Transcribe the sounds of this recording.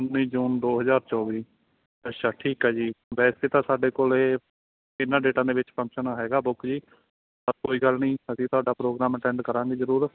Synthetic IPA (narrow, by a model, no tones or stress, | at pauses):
ʊnːĩːd͡ʒuːnd̪oːɦəzaːɾt͡ʃɔːʋiː | ɛːʃaːʈʰiːkaːd͡ʒiːʋɛːɪst̪eːt̪ãːsaːɖeːkoːleː | ɪnːãːɖeːʈãːd̪eːʋɪt͡ʃpʰə̃ŋkʃənɦɛːɡaːbʊkʰd͡ʒiː | pəɾkoːiːɡəlnĩːəsĩːt̪ʊaːɖaːpɾoːɡɾaːməʈɛ̃ːɳɖkəɾãːɡiːzəɾuːɾ